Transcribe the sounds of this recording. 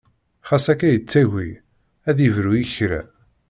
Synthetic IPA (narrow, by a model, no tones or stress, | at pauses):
χasækæjət͡sːæʝi | æðivɾujiçɾæ̰